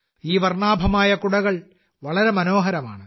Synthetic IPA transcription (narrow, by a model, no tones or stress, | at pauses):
iːʋɐrɳaːbʱɐmaːjɐkuɽɐɣɐɭ | ʋɐɭɐɾe̞mɐno̞ːɦɐɾɐma̰ːɳɨ